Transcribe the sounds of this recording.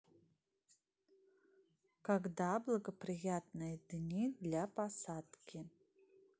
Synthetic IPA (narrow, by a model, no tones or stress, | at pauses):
kaɡdablˠɐɡəprijat̚nɨjədnʲidlʲapasad̪̥kʲʰɪ